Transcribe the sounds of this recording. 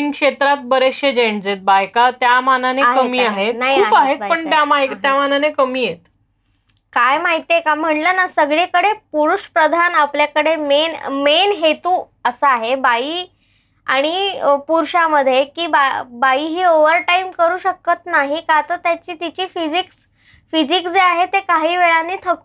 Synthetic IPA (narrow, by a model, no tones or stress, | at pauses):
ŋkʂet̪ɾat̪̚bəɾeɕjed͡ʑeɳd͡zet̪̚bajkat̪jamananeaɦkəmiːaɦet̪naɦiuakaɦet̪əɳt̪jamajkt̪jamananekəmiːjet̪ | kajmaɦit̪ekam̤əɳlənasəɡɭekəɽepuɾuɕpɾəd̪ʱanapljakəɽemenmenɦet̪uː | əsəaɦebaiː | a̰ɽ̃ipuɾɕaməd̪ʱːjekiːbabaiːɦiːoʋəɾʈaimkəɾuːɕəkːət̪naɦikat̪əɾt̪jat͡ɕiːt̪it͡ɕiːfid͡ʑiks | fid͡ʑiksd͡zeaɦet̪ekaɦiːʋeɭanːiːt̪ʰəku